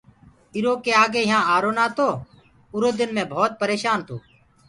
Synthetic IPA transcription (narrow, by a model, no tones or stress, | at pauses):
ɪɾoːkeːaːɡeːɪɦãːaːɾoːnaːt̪oː | ʊɾoːd̪ɪnmẽːbʱoːt̪̚pəɾeːʃaːnt̪ʰoː